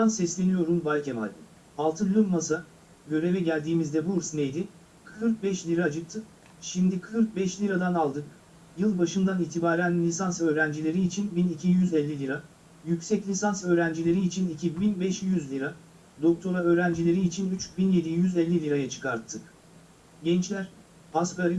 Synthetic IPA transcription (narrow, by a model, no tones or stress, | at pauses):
ansɛslʲe̞nijo̞ɾumvalʲcema̰lʲd̪ɯ | alˠt̪ʰɯlʲymmasa | ɟø̞ɾe̞vɛɟælʲd̪iːmizd̪ɛbuɾsnejd̪ɪ | kʰɯɾk̚bɛʃlʲiɾad͡ʒɯkt̪ʰːɯk | ʃimd̪ikʰɯɾk̚bɛʃlʲiɾad̪analˠd̪ɯk | jɯlˠbaʃɯnd̪aniːt̪ʰibaːɾænlʲisansø̞ːɾænd͡ʒilʲe̞ɾiːt͡ʃʰinbinicʰijyzɛlʲːilʲiɾa | jycsɛclʲisansø̞ːɾænd͡ʒilʲe̞ɾiːt͡ʃʰinicʰibinbɛʃjyzlʲiɾa | d̪o̞k̚t̪ʰo̞ɾaø̞ːɾænd͡ʒilʲe̞ɾiːt͡ʃʰinyt͡ʃbinje̞d̪ijyzɛlʲːilʲiɾajat͡ʃʰɯ̥kaɾt̪ʰːɯk | ɟɛnt͡ʃlʲæɾ | paskaɾi